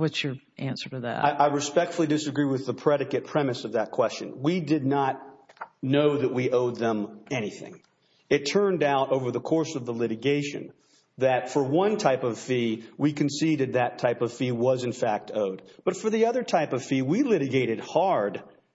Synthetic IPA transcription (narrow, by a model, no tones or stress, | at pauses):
wʌtsə˞ | ʔæ̃nsə˞ɾɨðæ̰taɪʔaɪɹɨspɛk̚tfl̩ˠidɨsɨɡɹiwɨðəpʰɹ̥ɛɾɨkɨt̚pʰɹ̥ɛmɨsʌvðɨt̚kʰw̥ɛst͡ʃɨ̰̃nwidɨdⁿnət̚ⁿnoʊðɨʔ̚wiʔoʊd̪̚ðə̃mɛñiθɪ̰̃ŋ | ɨtʰɜ̃˞ndaʊɾoʊvə˞ðəkʰɔɹsʌvðəlɪɾɨɡeɪʃɨ̰̃n | ðɨtfə˞wʌ̃ntʰaɪpʌv̥fiwikʰɨ̃n̩siɾɨd̪̚ðɨtʰaɪpʌv̥fiwʌzɨ̃nfæk̚tʰoʊd̚b̥ʌtfə˞ðiʌðə˞tʰaɪpʌv̥fiwilɪɾɨɡeɪɾɨd̚hɑɹd̥